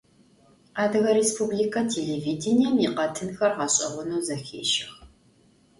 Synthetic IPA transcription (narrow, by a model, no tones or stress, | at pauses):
aːdɨɣɐɾespʰuːblikʰɐtʰeːleːviːdɪnijɛmiqɐtʰɨnxɐrʁɑɕʼɐ̰ʁʷʊnɐwzɐxḛːʃɪx